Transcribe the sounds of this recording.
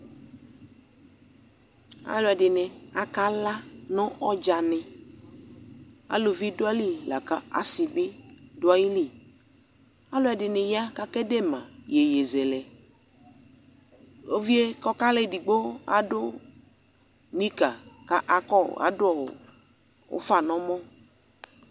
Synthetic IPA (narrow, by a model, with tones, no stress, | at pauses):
a̰˦lʊ˨˦ɛ˨dɪ˨nɪ˨a˨ka˦la˦nɔ̃˦ɔ˦d͡ʒa˨nɪ̃˨ | a̰˨lo˨vi˦dʊ˦a˦li˦˨la˨ka˦a̰˨sɪ˨bɪ˦dʊ˦a˦ji˦li˦˨ | a˦lʊ˦ɛ˨dɪ˨nɪ˨ja˦ka˦kɛ˦de˦mã˨je˨je˨zɛ˨lɛ˨ | o˦vi˦e˦kɔ˦ka˦lɛ˦˨di˨ɡ͡bo˦a̰˦dʊ˦ | mi˦ka˨ka˦ʔa˦kɔ˦˨a̰˨˦dʊ˦ɔ̰˨ | ʊ̰˦fa˨nɔ̃˦mɔ̃˦